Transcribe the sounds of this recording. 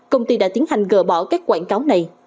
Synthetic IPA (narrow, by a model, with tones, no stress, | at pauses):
kə˧wŋ͡mt̪i˧ɗa̰ː˧˥t̪i˨˦ənhɦa˨˩jŋ̟ɣə̰ː˧˩ɓɔ̰˧˩kaː˦˥k̚kwaː˧˩nkaː˨˦wna˨˩j